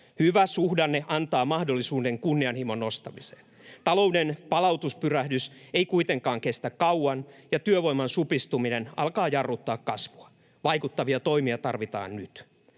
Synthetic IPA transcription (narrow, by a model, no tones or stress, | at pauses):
hyʋæsuhdɑnːeʔɑnt̪ɑːmɑhdolːisuːdeŋkunːiɑnhimonːost̪ɑmise̥ːn | t̪ɑloudenpɑlɑwt̪uspyræhdyseikuit̪eŋkɑːŋkest̪ækkɑuɑnjɑt̪yøʋoimɑnsupist̪uminenɑ̰lkɑːjɑrːut̪ːɑːkkɑsʋuɑ | ʋɑikut̪ːɑʋiɑt̪oimiɑt̪ɑrʋit̪ɑ̰ːnnyt̪